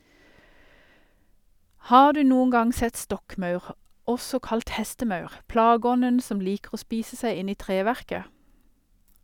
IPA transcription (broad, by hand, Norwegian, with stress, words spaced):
ˈhɑː ˈdʉː ˈnuːən ˈɡɑŋ ˈsɛt ˈstɔkˌmɑʉʁ ˈɔsɔ ˈkɑlt ˈhɛstəˌmɑʉʁ ˈplɑːˌɡɔnən ˈsɔm ˈliːkʁ̩ ˈoː ˈspiːsə ˈsæɪ ˈɪn ˈiː ˈtʁeːʋæʁkə